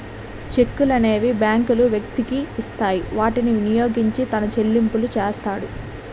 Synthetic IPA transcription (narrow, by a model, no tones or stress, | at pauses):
t͡ʃe̞kːulɐne̞ːʋibjaːŋkuluʋjɐk̚t̪ikiːst̪aːjiʋaːʈiniʋinijo̞ːɡiɲt͡ʃit̪ɐnɐt͡ʃe̞lːimpulut͡ʃeːst̪aːɽu